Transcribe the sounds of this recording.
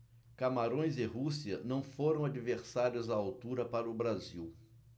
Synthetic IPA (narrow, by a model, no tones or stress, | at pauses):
kamaɾõj̃zɪɦusiɐnɐ̃w̃foɾɐ̃w̃ad͡ʒiveɾsaɾjʊzaawt̪uɾɐpaɾʊbɾaziw